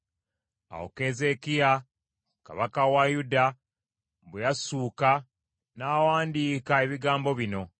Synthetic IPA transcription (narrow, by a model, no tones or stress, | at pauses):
a̰wo̰keze̞kija | ka̰βakawajuda | βwejasuːka | naːwaːndiːkae̞βiɡaːmbo̞βino̞